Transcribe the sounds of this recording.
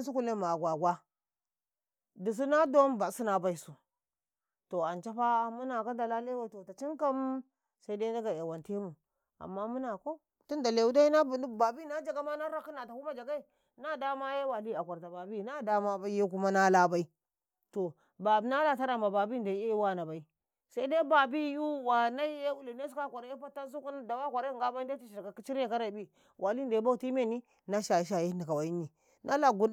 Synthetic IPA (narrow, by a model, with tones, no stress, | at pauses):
ns̬u˦ku˦le˦ma˨ɡʷa˨ɡʷa˦ | di˨s̬i˦na˦do˦mba˨si˦na˦˨ba˨i˦su˨ | to˨a˨nt͡ʃa˦pa˦˨mu˦na˨ka˦da˨la˦le˦wa˨i˨˦to˨ta˨t͡ʃi˦ŋka˦m | sa˦i˦da˦i˦da˦ɡa˨e˨wa˨nte˦mu˨ | a̰˨mːa˦mu˦na˨ko˦ | tu˦nda˨le˨wu˦da˦i˦na˦˨˦ba˨bi˦na˦d͡ʒa˨ɡa˦ma˦na˦ɾa˦ki˦na˨ta˨ku˦ma˦d͡ʒa˨ɡa˦i˨ | na˦da˦ma˦je˦wa˨li˦a˨kʷa˨ɾta˨ba˨bi˦˨na˦da˦ma˦ba˦je˦k̬u˦ma˦na˦la˦ba˦i˦ | to˨ | ba˨bna˦la˦ta˦ɾa˨mba˨ba˨bi˦nda˨˦e˦wa˦˨na˨ba˨i˦ | sa˦i˦da˦ba˨bi˦ju˦wa˨na˦je˦u˦li˨ne˦su˦ka˦kʷa˨ɾje˦pa˦ta˦su˦ku˦na˦da˨wa˦kʷa˨ɾe˦˨ŋɡa˦ba˦da˦tu˦ʃi˨ka˨ki˦t͡ʃi˦ɾe˦ka˦ɾa˨bi˦ | wʔa˨li˦nda˨˦ba˦u˨ti˦me˦˨ni˦ | na˦ʃa˨ji˦ʃ̬a˨ji˦˨ndi˨ka˨wa˨ji˦ni˨ | nʔa˦la˦˨ɡu˨˦